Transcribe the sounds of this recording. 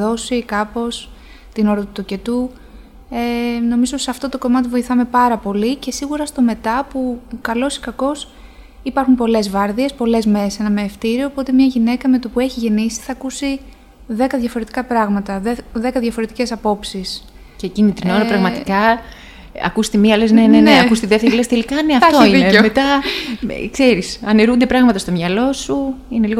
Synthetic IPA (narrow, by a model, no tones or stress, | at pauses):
o̞sikɐpo̞s | t̪ino̞ɾɐt̪ut̪uce̞t̪u | eno̞mizosɐft̪o̞t̪o̞ko̞mɐt̪ivo̞iθɐme̞pɐɾɐpo̞lice̞siɣuɾɐst̪o̞me̞t̪ɐpukɐlo̞si̥kɐko̞s | ipɐɾxumpo̞le̞zvɐɾðie̞spo̞le̞zmese̞nɐmeːft̪iɾio̞ːpo̞t̪emɲɐʝine̞kɐme̞t̪opue̞çiʝe̞nisi̥θɐkusi | ðe̞kɐðʝɐfo̞ɾe̞t̪i̥kɐpɾɐɣmɐt̪ɐðe̞kɐðʝɐfo̞ɾet̪ice̞sɐpo̞psis | cecinit̪ɾino̞ɾɐpɾɐɣmɐt̪ikɐ | ɐ̰kust̪emiɐlezneneneɐkust̪iðeft̪eɾilest̪elikɐneɐft̪oineomet̪ɐ̰ | kse̞ɾisɐneɾund̪e̞pɾɐɣmɐt̪ɐst̪o̞mɲɐlo̞suine̞liɣo